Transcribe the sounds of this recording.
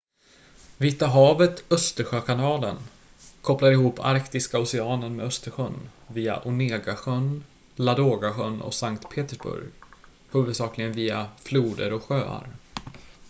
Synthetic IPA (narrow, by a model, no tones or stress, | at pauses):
vɪt̪ːaɦɑːvət̪œst̪əɾɧøːkʰanɑːlən | kʰɔpːlaɾɪhuːpʰa̰ɾkt̪ɪskaʊsɛɑːnəɾmɛœst̪əɾɧœnviːa̰ʔʊneːɡaɧœn | lad̪oːɡaɧœnːʔɔ̰saŋkt̪pʰeːt̪əʂbɵ̰ɾɡ | hʉ̟ːvɵd̪sɑːklɪɡənviːafluːd̪ə̰ɾɔɧøːa̰ɾ